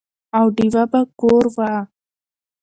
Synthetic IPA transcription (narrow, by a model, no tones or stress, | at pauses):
awɖiwabakoɾwa